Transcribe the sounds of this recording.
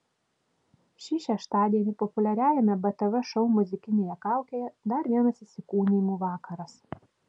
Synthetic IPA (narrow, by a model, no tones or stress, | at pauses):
ʃʲiːʃʲɛʃt̪ɑːd̪ʲiɛnʲɪpɔpʊlʲɛɾʲæːjɛmʲɛbɐt̪ɐʋɛʃɔʊmʊzʲɪkʲɪnʲeːjɛkɑˑʊkʲeːjɛd̪ɐɾʋʲiɛnɐsɪsʲɪkuːnʲimuːʋɑːkɐɾɐs